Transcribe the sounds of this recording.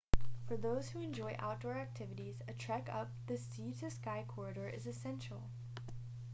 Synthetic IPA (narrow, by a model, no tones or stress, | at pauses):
fə˞ðoʊz̥huɨ̃nd͡ʒɔɪʔa̰ʊt̚d̥ɔɹæk̚tʰɪvɨɾizɨtʰɹ̥ækʌp̚ðɨsid̚tʰɨskaɪkʰw̥ɔɹɾə˞ʔɨ̰zɨsɛ̃nʃl̩ˠ